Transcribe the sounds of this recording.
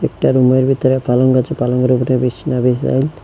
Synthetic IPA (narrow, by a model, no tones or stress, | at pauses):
ek̚ʈaɾumeɾbʱit̪ɔɾepalɔŋɡat͡ʃepalɔŋɡɾubnebisnabisa̰jl